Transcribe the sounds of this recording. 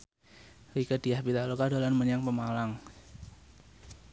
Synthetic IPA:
ɾikəd̥iahbit̪alokadolanməɲaŋpəmalaŋ

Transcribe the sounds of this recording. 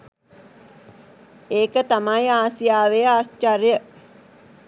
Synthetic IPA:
eːkət̪amajaːsijaːʋejəaːst͡ʃarjə

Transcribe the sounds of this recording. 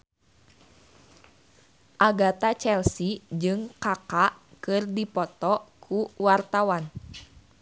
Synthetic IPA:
ʔaɡat̪at͡ʃɛlsid͡ʒɨŋkakakɨrdipɔt̪ɔkʰuwart̪awan

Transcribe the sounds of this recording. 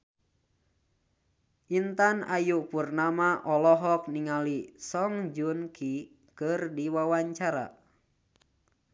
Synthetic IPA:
ʔint̪ana̰jupurnamaʔɔlɔɦɔk̚niŋalisɔŋd͡ʒunkʰi | kɨrdiwawaɲt͡ʃaɾa̰

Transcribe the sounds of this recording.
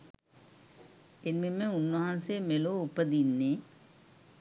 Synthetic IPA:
enmemːəunʋɐɦansemeloupəd̪inːe

